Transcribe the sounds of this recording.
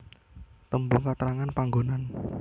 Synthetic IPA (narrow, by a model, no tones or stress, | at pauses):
t̪əmbukat̪əɾaŋanpaŋɡonan